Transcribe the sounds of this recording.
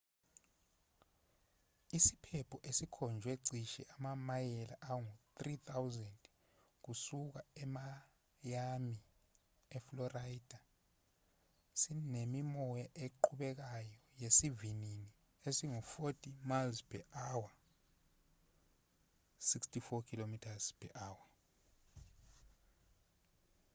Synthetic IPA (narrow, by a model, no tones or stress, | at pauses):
isi̥pʰɛpʰɔʔesikʰɔnd͡ʒʱweǀʱiʃɛ̰ʔamamajɛlaʔawɔŋot̪rit̪ʰawzɛnd | k̬usuk̬aɛma | jami | ɛflɔraid̥ʱa | sinemimɔjaʔeǃʰuɓɛk̬ajɔjesivinini | esiŋɔfotʰʼimalzpʰɛʔawa | sikstʰifɔkʰilomitʰaz̥pʰɛʔaːwa